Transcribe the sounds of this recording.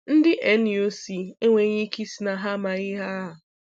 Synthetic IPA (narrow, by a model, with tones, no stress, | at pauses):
n̩˦dɪ˦ʔe˦ni˨o˦si˨e˦ŋʷe˨ɲi˦ki˦si˨na˨ɦa˦ma˨ɲɪ˦ɦa˦a˨